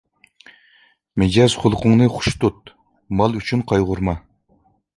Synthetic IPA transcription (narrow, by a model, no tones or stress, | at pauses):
mɪd͡ʒɑz̥χʊlˠqʰʊŋnɨχʊ̥ʃt̪ut̪̚ | mɑlˠyt͡ʃʰynqʰɑjʁʊɾmɑ